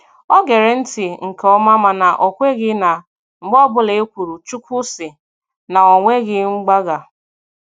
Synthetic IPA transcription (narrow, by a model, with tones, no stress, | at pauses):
ɔ˦ɡe˨ɾe˨n̩˦tɪ˨ŋ̩˨kɔ˦ma˦ma˨na˨ʔo˨kʷe˦ɣɪ˦na˨ | ŋ͡m̩˨ɡ͡bɔ˦bʊ˦le˨e˦kʷu˨ɾu˨t͡ʃu˦kʷʊ˦sɪ˨ | na˨ɔ˨ŋʷe˦ɣɪ˦ŋ͡m̩˦ɡ͡ba˦ɡa˨